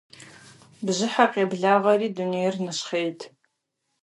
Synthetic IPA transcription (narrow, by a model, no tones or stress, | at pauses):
bzʷɨħaqʲʼabɮaʁariːdunejrnɨʃχejtʰʼ